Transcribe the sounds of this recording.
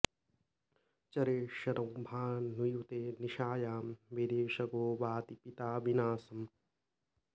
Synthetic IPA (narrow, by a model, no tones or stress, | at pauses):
t͡ʃɐɾeːʃɐɾɐwbʱaːnːujut̪eːniʃaːjaːmʋed̪eːʃɐɡoːʋaːt̪ipit̪aːʋinaːsɐm